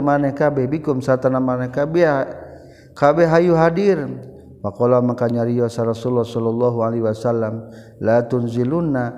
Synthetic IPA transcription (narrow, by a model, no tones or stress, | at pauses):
manɛkabɛbikumsat̪anamanɛkabɛ | kabɛɦajuɦadir | pakɔlamakaɲaɾiɔsaɾɔsulːahsɔlɔlːɔɦualiwasalːam | lat̪unziluna